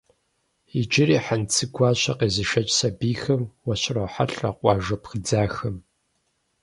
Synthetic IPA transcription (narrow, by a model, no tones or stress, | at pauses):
id͡ʒʼɪriːħant͡sʰɨɡʷʰɑːɕɐqeːzɨʃɐt͡ʃʼsɐbiːxɐmwɐɕɪrɐwħa̰ɬʼrɐ̰qʷɑːʒɐpxɨd͡zaːxɐm